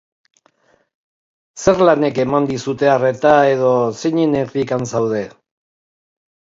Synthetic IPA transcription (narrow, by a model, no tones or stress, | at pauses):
se̞ɾlane̞ke̞mand̪isut̪e̞are̞t̪ae̞ð̞o̞seɲeneɾrikansawð̞e̞